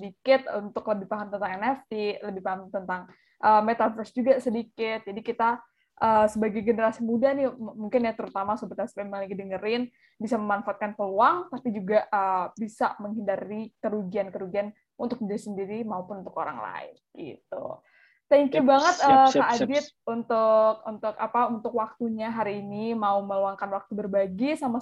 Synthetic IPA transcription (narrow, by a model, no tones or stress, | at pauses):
ədikɪt̪unt̪ʊkləbɪhpaɦamt̪ənt̪aŋɛnɛft̪iləbɪhpaɦamt̪ənt̪aŋ | ʔəːmet̪afərsd͡ʒuɡasədikɪt̪̚d͡ʒadikit̪a | ʔəːsəbaɡajɡənəɾasimudahnɪmuŋkɪnjat̪əɾut̪amasobərt̪aspemaliɡidəŋəɾɪn | bisaməmanfaat̪̚kanpəluaŋt̪apid͡ʒuɡaəbisaməŋɦindaɾikəɾuɡiankəɾuɡian | unt̪ʊk̚mudasəndiɾimaupʊnunt̪ʊko̰ɾa̰ŋla̰ɪ̰nɡḭt̪ṵ | t̪ɛŋkubaŋət̪̚əːk̪aadɪt̪̚unt̪ʊkunt̪ʊkapaunt̪ʊkwak̚t̪uɲaɦaɾiːnimauməluaŋkanwak̚t̪ubərbaɡisama